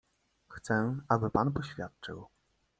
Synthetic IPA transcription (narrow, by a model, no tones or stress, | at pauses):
xt̪sɛabɘpanpɔɕfʲjat̪̚t͡ʂɘw